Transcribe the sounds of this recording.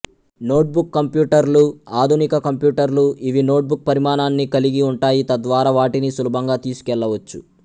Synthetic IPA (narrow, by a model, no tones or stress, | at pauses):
no̞ːʈ̚bukːɐmpjuːʈɐɾluaːd̪ʱunikɐkɐmpjuːʈɐɾluʔiʋino̞ːʈ̚buk̚pɐɾimaːnaːnːikɐliɡiuɳʈaːjit̪ɐd̪ʋaːɾaːʋaːʈinisulubʱɐŋɡaːt̪iːsu̥kɛɭːɐʋɐt͡ʃːu